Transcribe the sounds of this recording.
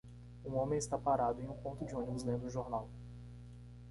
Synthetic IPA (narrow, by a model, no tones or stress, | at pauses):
ũõmẽɪst̪apaɾad̪ʊẽj̃ũpõnt̪ʊd͡ʒɪõd͡ʒɪvʊzlẽbɾũũʒoɾnaw